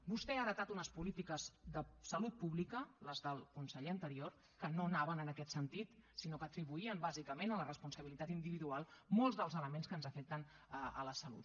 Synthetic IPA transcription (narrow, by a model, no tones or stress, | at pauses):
bust̪ɛaːðət̪at̪unəspulit̪ikəzðəsəlut̪̚puβlikələzðəlˠkunsəʎeənt̪əɾioɾ | kənonaβənənəkɛt̪sənt̪it̪sinokəːt̪ɾiβuiəmbazikəmenələrəspunsəβilit̪at̪ind̪iβiðualˠmolˠzðəlˠzələmenskənzəfɛk̚t̪ən | əələsəlṵt̪